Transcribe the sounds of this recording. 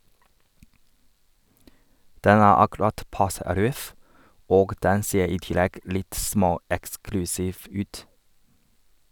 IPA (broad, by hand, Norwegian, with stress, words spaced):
ˈdɛn ˈæː ɑkɛˈɾɑt ˈpɑsə ˈɾœf ˈoːɡ ˈdɛn ˈseːɾ ˈiː ˈtɪlɛɡ ˈlɪt ˈsmoːˌɛksklʉsiːf ˈʉːt